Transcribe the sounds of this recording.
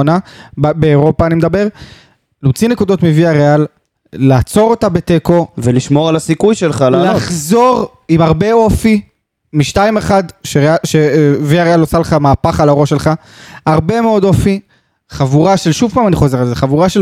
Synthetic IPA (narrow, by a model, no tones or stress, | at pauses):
nabbeːʁo̞paːnimdabe̞ʁ | lomt͡sine̞kud̪o̞t̪miviaʁealː | aːt͡so̞ʁo̞t̪abe̞t̪eko̞veliʃmo̞ʁalasikujʃelχallaχzo̞ʁ | imaʁbe̞o̞fi | miʃtaime̞χad̪ʃeʁeaʃeviaealosaleχamaːpaχalaooʃelχa | aʁbe̞me̞o̞d̪o̞fi | χavuʁaʃe̞lʃuvpaːmaniχo̞ze̞ʁalzeχavuʁaʃe